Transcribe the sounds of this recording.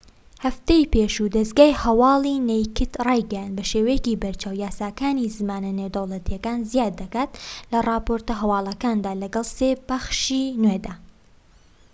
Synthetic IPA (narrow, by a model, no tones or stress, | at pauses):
hɐft̪ejpeːʃud̪ɐsɡaːjhɐwɑːlˠinejkɨt̪rɑjɡɛjand̪̚bɐʃeːwɛjɛcibɐɾt͡ʃaːwjaːsaːkaːnizɨmaːnɐnewd̪ɐwlˠɐt̪ʰijɐkaːnzijaːd̪ːɐkaːt̪lɐrˤɑːpoːɾt̪ɐɦɐwɑːlˠɐkaːnd̪aːlɐɡɐlˠseːbɐxʃiːnwed̪aː